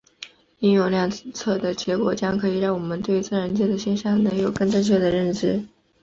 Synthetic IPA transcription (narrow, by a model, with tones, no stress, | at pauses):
i˥njo˧˨˩ʊljɑ˥˩ŋt͡sʰɤ˥˩d̪ə˩t͡ɕjɛ˧˥kwɔ˨˩t͡ɕjɑ˥ŋkʰɤ˧˥i˨˩ɻɑ˥˩ŋwɔ˨˩mə˦nt̪we˥˧ɪt͡sɹ̩˥˩ɻə˧˥nt͡ɕjɛ˥˩d̪ə˨˩ɕjɛ˥˧nɕjɑ˥˩ŋnɤ˧˥ŋjo˨˩ʊkə˥˧ŋʈ͡ʂɤ˥˧ŋt͡ɕ̬ʰɥɛ˥˩d̪ə˨ɻə˥˧nʈ͡ʂɻ̩˥